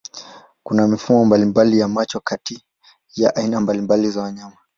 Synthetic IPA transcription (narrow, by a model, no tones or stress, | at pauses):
kunamifumɔmbalimbalijamat͡ʃɔkati | jaʔainambalimbalizawaɲama